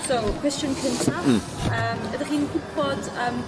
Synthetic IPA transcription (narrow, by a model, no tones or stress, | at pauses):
sowkʰwɛst͡ʃənkʰəntʰa | əːmədaχiːnɡʊb̥ɔd | əːm